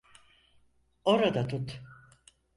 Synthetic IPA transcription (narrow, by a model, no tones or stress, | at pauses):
oɾad̪at̪ʰut̪